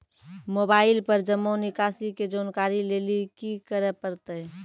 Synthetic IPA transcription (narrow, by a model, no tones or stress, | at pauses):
moːbaːɪlpəɾd͡ʒəmːonɪkaːsiked͡ʒoːnkaːɾileːlikikəɾɛpəɾt̪eɦ